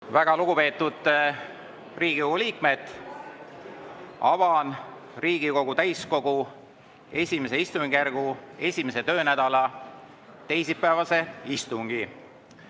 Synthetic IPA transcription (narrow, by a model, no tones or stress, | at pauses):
væɡ̥ɑluɡ̥upe̞ːt̪ːud̪̥ | riːɡ̥ioɡuliːkme̞t̪ | ɑvɑnriːɡiko̞ɡ̥ut̪æjsko̞ɡ̥u | e̞sʲime̞s̬eist̪uŋɡijærɡ̥ue̞sʲime̞se̞t̪ø̞ːnæd̪̥ɑlɑ | t̪e̞js̬ipːæevɑse̞ist̪uŋɡ̥i